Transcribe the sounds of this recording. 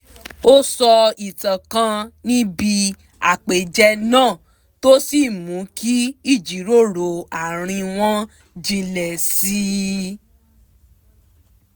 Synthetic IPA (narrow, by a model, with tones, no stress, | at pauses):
o˦sɔ˧i˨tã˨kã˧nĩ˦bi˧ | a̰˨k͡pe˨d͡ʒɛ˧nãː˦˨ | to˦si˦˨mũ˨˦ki˦i˦˨d͡ʒi˨˦ɾo˦˨ɾo˨a˨ɾ̃ĩ˧w̃ɔ̃˦ | d͡ʒĩ˧lɛ˨si˧˦